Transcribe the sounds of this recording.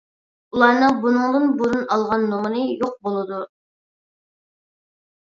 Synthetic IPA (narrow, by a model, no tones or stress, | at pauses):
ulˠɑɾnɨŋbunɨŋd̪ɨnbuɾunɑlˠʁɑnːoŋənɨjoq̚bolˠɨd̪u